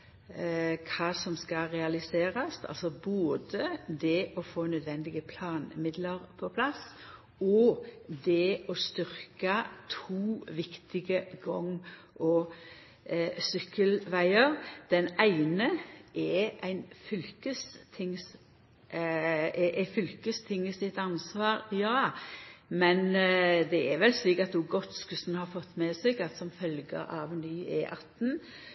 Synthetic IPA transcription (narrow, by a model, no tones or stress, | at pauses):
kʰɑːsɔmskɑʁɛɑlɪseːɾɑst̪ʰɑ̰lsɔboːd̪əd̪ɛʔɔfoːnœd̪ʋɛnd̪ɪɡəpʰlɑːnmɪd̪ləʁpʰɔpʰlɑs | ɔd̪ɛɔst̪ʏɾkɑt̪ʰuːʋɪkt̪ɪɡəɡɔŋː | ʔɔ | sʏkːəlʋæɪəʁd̪̥ɛnæɪnəʔɛʔæɪnfʏlkəst̪ʰɪŋs | ʔɛfʏlkəst̪ʰɪŋːəsɪt̪ɑnsʋɑːɾjɑːɑmɛnd̪ɛɛɾʋɛlsliːkɑt̪uːɡɔt̪skʉsn̩hɑɾfɔt̪ːmɛsɛɡɑt̪sɔmfœlɡə̰ʔɑʋnyːɛ̰ʔɑt̪ːn̩